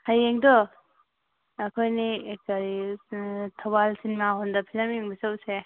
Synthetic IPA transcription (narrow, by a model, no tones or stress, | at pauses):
hajeŋdɔ | ɐkʰojniekaɾi | tʰabalsinimaɦɔndapʰilamjeŋbisawse